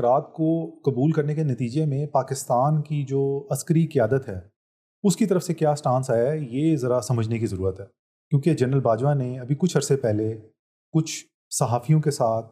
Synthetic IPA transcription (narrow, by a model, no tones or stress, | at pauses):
ɾaːt̪̚kokɐbuːlkɐɾnekenɐt̪iːd͡ʒemẽpaːkɪst̪aːnkid͡ʒoːɐskəɾikɪjaːd̪ət̪ɦɛː | ʊskit̪ɐɾəfsekjaːsʈãːnsaːjaɛjeːzɐɾasɐməd͡ʒʱnekizɐɾuːɾət̪ɦɛː | kjõːked͡ʒɐnɾəlbaːd͡ʒwaneɐbʱikʊt͡ʃʰɐɾsepɛɦle | kʊt͡ʃʰ | sɐɦaːfijõkesaːt̪̚ʰ